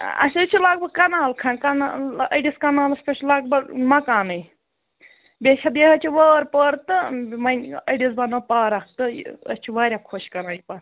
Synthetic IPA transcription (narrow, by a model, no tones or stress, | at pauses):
ɐ̰sʲɨt͡ʃʰilaɡ̚bɐɡkɐnaːlkʰɐnkɐnɐɖiskɐnaːlɐspʲeʃlɐɡbɐɡmɐkaːnɨj | bʲeʃʰɐd̪jeɦɐt͡ʃʰiʋəːɾpəɾt̪ɨmɐnʲɐɖizbɐnɐpaːɾɐk̚t̪ɨ̰ɐ̰st͡ʃʰuʋaːɾʲakʰoʃkɐɾaːjipɐɾ